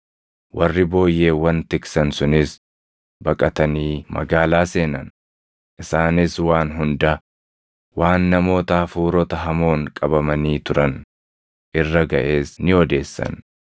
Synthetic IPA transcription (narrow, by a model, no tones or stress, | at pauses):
wʔɐrːɪbo̞ːjːe̞ːwɐnt̪ɪksɐnsʊnɪs | bɐkʼɐt̪ɐniːmɐ̰ɡaːlaːse̞ːnɐn | ʔɪsaːnɪswaːnɦʊnd̪ɐ | waːnːɐmo̞ːt̪ɐɐfuːɾɔt̪ɐɦɐmo̞ːŋkʼɐbɐmɐniːt̪ʊɾɐn | ʔɪrːɐɡɐʔe̞ːsnɪɔd̪e̞ːsːɐ̰n